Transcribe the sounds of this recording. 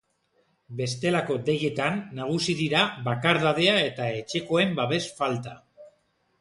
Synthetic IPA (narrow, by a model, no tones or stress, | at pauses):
be̞st̪e̞lako̞d̪e̞je̞t̪anːaɣ̞usiðiɾaβakaɾðað̞e̞ae̞t̪ae̞t͡ʃe̞ko̞e̞mbaβe̞sfalt̪a